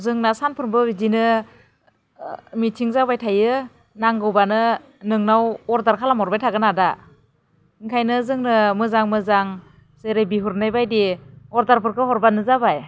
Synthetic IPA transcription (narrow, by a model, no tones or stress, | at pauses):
zɯŋnasanpʰɯɾnbɯbizinɯ | mitʰiŋzabajtʰajɯ | naŋɡɯwbanɯ | nɯŋnawɔɾdaɾkʰalamɔɾbajtʰaɡɯnada | iŋkʰajnɯzɯŋnɯmɯzaŋmɯzaŋ | zejɾɯjbiɦuɾnajbajdiɔɾdaɾpʰɯɾkʰɯhɔɾbanɯzabaj